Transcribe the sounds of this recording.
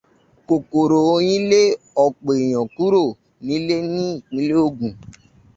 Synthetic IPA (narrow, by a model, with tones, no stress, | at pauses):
ko˨ko˨ɾo˨o˧j̃ĩ˦le˦ | ɔ˦˨k͡po˨e˨j̃ɔ̃˨ku˦ɾo˦˨ | nĩ˨˦le˦nĩ˦˨ĩ˨˦le˦o˧ɡũ˨